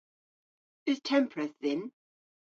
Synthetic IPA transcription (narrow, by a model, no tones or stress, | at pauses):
ɪz̥tʰɛ̃mpʰɹəθðɪ̃n